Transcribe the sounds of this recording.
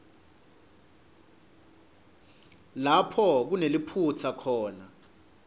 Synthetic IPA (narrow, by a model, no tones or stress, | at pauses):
lapʰɔk̬unelipʰut͡sʰakʰɔːna